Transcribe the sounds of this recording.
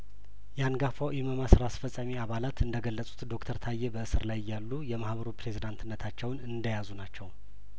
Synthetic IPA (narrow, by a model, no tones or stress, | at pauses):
jɛanɡafawʔiməmasɨɾasfəsʼamiaβalat̪ɨnd̪əɡəlːəsʼu̥t̪d̪o̞kt̪ʰəɾt̪ʰajːebəɨsɨɾlajjːalːujɛmahbəɾopɾe̞zid̪ant̪ʰɨnːət̪ʰat͡ʃːɛwnɨnd̪əjazunat͡ʃːɛw